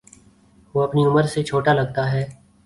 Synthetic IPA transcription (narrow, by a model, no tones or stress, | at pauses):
ʋoɐpniʊməɾset͡ʃʰoːʈalɐɡ̚t̪aɦɛː